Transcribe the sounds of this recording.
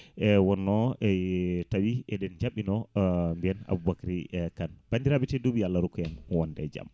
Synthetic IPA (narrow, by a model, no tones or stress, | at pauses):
ɛwɔnːɔɛtawiɛdɛnd͡ʒamɓːinɔmbiɛna̰bubakaɾikanb̥andiɾabɛtɛdobialːaɾukɔjɛnwɔndɛd͡ʒa̰m